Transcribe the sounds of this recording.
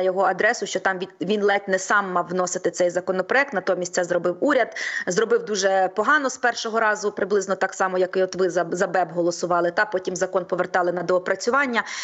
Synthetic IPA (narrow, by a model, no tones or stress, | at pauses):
jɔɦɔɐd̪ɾɛsʊʃt͡ʃɔt̪ɑmʋʲiʋʲinlˠɛt̪ʲnɛsɑmːɑwːnɔsɪt̪ɪsɛjzɐkɔnɔpɾɔɛk̚t̪nɐt̪ɔmʲisʲsɛzɾɔbɪwuɾʲɐd̪zɾɔbɪwd̪uʒɛpɔɦɑnɔspɛrʃɔɦɔɾɑzʊpɾɪblˠɪznɔt̪ɑksɑmɔjɐkɪɔt̪ʋɪzɐzɐbɛbɦɔlˠɔsʊʋɑlˠɪt̪ɑpɔtʲimzɐkɔnpɔʋert̪ɑlˠɪnɐd̪ɔːpɾɐt͡sʲʊʋɑnʲːɐ